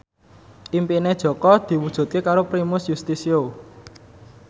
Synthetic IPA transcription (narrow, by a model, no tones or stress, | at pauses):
ʔimpined̥ʒ̥ɔ̤kɔd̪̥i̤wud̥ʒ̥ṳt̪̚kekaɾopɾimʊsjust̪isio